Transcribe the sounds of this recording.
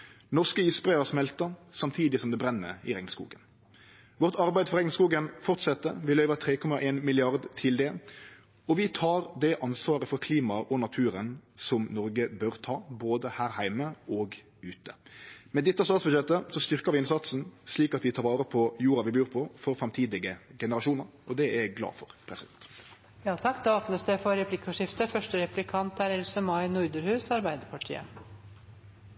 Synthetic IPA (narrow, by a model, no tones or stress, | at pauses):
nɔʁskəisbʁæəɾsmɛlt̪əsɑmt̪ʰiːd̪ɪsɔmd̪ɛbɾɛnːə̰ɪʁɛŋskṵːɡən | ʋɔʁt̪ɑɾbæɪd̪əfɔɾʁɛŋnskuːɡənfɔɾt̪sɛt̪ːə̰ʋɪlœʏʋət̪ʰɾeːkʰɔmɑʔeːnmɪlɪɑʁd̪t̪ʰɪld̪ɛ | ɔʋɪt̪ʰɑːɾd̪ɛʔɑnsʋɑːɾəfɔɾkʰliːmɑʔɔnɑt̪ʰʉːɾənsɔmnɔɾɡəbœʁt̪ʰɑːboːd̪əhæːʁhæɪməɔɡ | ʉːt̪əmɛd̪ɪt̪ːəst̪ɑːt̪sbʉjɛt̪ːəsɔst̪ʏɾkəɾʋɪɪnsɑt̪sn̩sliːkɑt̪ʋɪt̪ʰɑːɾʋɑːɾəpʰɔjuːɾɑʋɪbjʉːɾpʰɔfɔɾfɾɑmt̪ʰiːd̪ɪɡəɡɛnəɾɑʃuːnəɾɔd̪ɛɛɡlɑ̰ːfɔɾpʰɾɛsɪd̪ɛnt̪ | jɑːt̪ʰɑkːd̪ɑoːpnəsd̪ɛfɔɾɛpʰlɪkːəʂɪft̪əfœʂʈəɾɛpʉlɪkʰɑnt̪æɾɛlsəmɑɪnʊɾd̪əɾhʉːsɑɾbæɪd̪əɾpʰɑʈʰḭːə̰